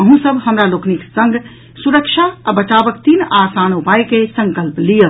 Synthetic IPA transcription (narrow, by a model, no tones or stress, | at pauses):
əɦũsəbʱhəmɾalokniksəŋɡ | suɾəkt͡ʃʰaːbət͡ʃabəkt̪inasanupajkesə̃ŋkəlplijəl